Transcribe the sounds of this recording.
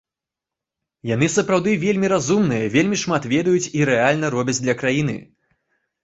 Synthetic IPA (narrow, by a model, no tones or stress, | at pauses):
jan̪ɨsɐpɾawd̪ɨvʲelʲmʲiɾazumnɨjɐvʲelʲmʲiʂmat̪vʲɛd̪ɐjut͡sʲiɾɛalʲnɐɾɔbʲɐd͡zʲd̪lʲɐkɾajinɨ̰